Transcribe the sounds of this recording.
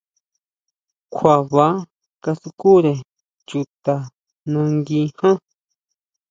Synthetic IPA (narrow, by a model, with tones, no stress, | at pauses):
kʷʰa˨βa˨˦ | ka˧su˧ku˦ɾe˨ | t͡ʃu˧t̪a˨ | nã˧ŋɡĩ˧hã˦